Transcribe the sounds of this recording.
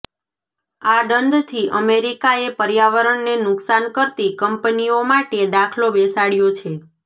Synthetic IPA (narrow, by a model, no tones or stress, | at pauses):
aɖənd̪t̪ʰiʔəmeɾikaepəɾjaʋəɾəɳnenʊksankəɾt̪ikəmpniomaʈed̪akʰlobesaɽjot͡ʃʰe